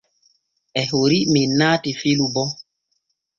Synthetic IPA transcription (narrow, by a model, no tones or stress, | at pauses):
ɛɦoɾiminaːtifilubɔ